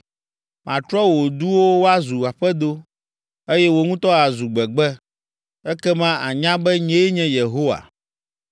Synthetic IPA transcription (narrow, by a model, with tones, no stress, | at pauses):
mã˨t̪ɾɔ˦wo˨d̪u˦wo˦wo˦a˦zu˨a˨ɸɛ˦d̪o˦ | e˦jɛ˦wo˦ŋũ˦t̪ɔ˦a˨zu˨ɡ͡bɛ˨ɡ͡bɛ˦ | ɛ˦kɛ˦mã˦a˨ɲã˦bɛ˦ɲɛ̃˦ɲɛ̃˦je˨ɦo˦wa̰˨